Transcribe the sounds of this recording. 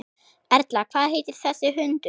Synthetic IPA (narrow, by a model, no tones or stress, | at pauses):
ɛɾt̪lakʰvaːðɦeːjt̪ɪɾ̥θɛsːɪɦʏnt̪ʏ